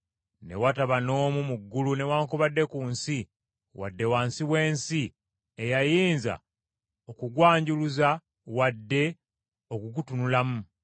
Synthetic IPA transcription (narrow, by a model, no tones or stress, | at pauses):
ne̞̰wataβano̞ːmumuɡːulune̞waːŋkoβadːe̞kuːnsi | wa̰dːe̞waːnsiwe̞ːnsi | ejajiːnza̰ | okuɡwaːɲɟuluza | wadːe̞ | o̞kuɡutunulamu